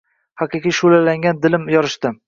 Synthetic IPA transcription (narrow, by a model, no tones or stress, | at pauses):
haqɨqijʃulalaŋɡʲand̪ɪlɪmjɒɾɪʃt̪ɪ